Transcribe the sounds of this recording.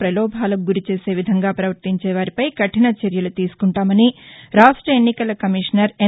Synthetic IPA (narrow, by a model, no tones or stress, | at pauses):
pɾɐlɔːbʱaːlɐɡuɾit͡ʃe̞ːse̞ːʋid̪ʱɐŋɡaːpɾɐʋɐɾt̪iɲt͡ʃɛːʋaːɾipɐjkɐʈinɐt͡ʃeɾjɐlut̪iːsu̥kuɳʈaːmɐniɾaːʂʈɾɐenːikɐlɐkɐmiʂnɐɾe